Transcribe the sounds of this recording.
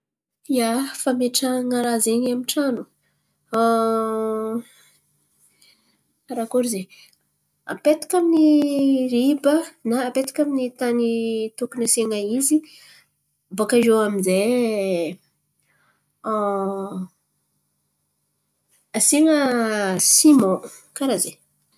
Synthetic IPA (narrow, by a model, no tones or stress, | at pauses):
jafameʈ͡ʂəŋaɾazeɲamiʈ͡ʂanu | ɾakuɾize | a̰pet̪ḁkʲaminiɾibənaːpet̪ḁkʲaminit̪anit̪ukunaseŋaizi | bokaʒowaminze | asiŋəsimo | kaɾaze